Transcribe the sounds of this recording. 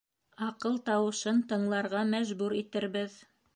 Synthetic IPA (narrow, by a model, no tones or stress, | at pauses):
ɑqɤlˠt̪ɑwɤ̆ʃɤnt̪ɤ̆ɴlˠɑɾʁɑmæʒbuɾit̪ɘ̆ɾβɘð